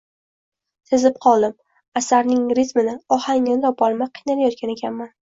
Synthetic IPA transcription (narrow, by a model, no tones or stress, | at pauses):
t̪ʰɪzɪp̚qʰɒlˠd̪ɪm | asaɾnɪŋɾɪt̪mɪnɪɒhaŋnd̪ɒpɒlˠmaqʰɨjnalajɒt̪̚kʲane̞kʲʰanman